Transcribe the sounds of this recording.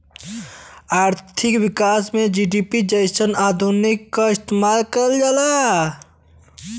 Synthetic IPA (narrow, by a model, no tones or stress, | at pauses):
aːɾt̪ʰɪkwɪkaːsmẽd͡ʒiːɖiːpid͡ʒəjsənaːd̪ʱunɪkːaɪst̪emaːlkəld͡ʒala